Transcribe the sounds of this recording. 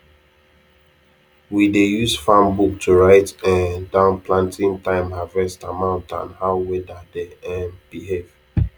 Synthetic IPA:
widejuzfãmbuk̚tʰuɹaɪtɛ̃ndãʊ̃nplãntʰĩŋtãɪ̃mavɛstamãʊ̃ntã̰nhaʊwedadeɛ̃nb̥iɦev̥

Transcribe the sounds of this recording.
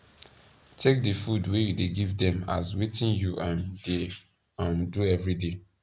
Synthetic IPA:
tʰek̚dəfudwejudeɡivdɛ̃ma̰swetĩnjuʔãnde | ãnduɛvɹide

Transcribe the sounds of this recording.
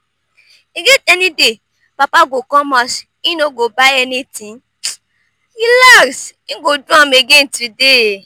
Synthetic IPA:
iɡetɛnĩde | papaɡokɔ̃mɔs | ĩnoɡobaɛnĩtĩ | ilasĩɡodũɔ̃meɡetɾide

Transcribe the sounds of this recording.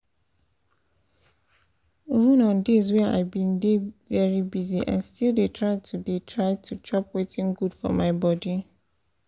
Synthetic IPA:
ivə̃nɔ̃ndezwɛa̰ɪbĩndevɛɹibiziʔã̰nstʰildetʰɹaɪtʰudetʰɹaɪtʰut͡ʃʰɹɔpwetʰĩnɡudfɔ̰maɪbɔdi

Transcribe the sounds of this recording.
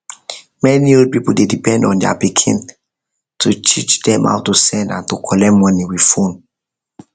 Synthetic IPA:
mɛniopipuldedipɛ̃ndɔ̃ndɛa̰pikʰḭ̃n | tʰut͡ʃit͡ʃdɛ̃mʔa̰ʊtusɛ̃ndã̰ntukʰɔlɛmɔniwid̥fõn

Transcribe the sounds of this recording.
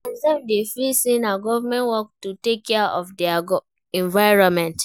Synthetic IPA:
asɛvdefilsĩnaɡɔvamɛ̃nwɔk̚tutekʰːɛaʔɔfdiaɡɔ | ɛ̃ɱvaɪɹɔ̃nmɛ̃nt

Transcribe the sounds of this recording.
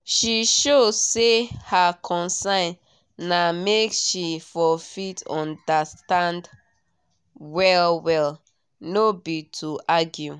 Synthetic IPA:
ʃiʃosehakʰɔ̃nsãn | nːameksʃifɔfitɔ̃ndastãnd | wɛlwɛl | nobitʰuʔaɡju

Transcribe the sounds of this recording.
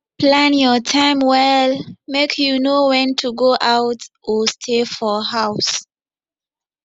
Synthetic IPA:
plãnjɔtʰãɪ̃mwɛlmekʰjunowɛ̃ntʰuɡoʔawt | ɔstʰefɔhaʊs

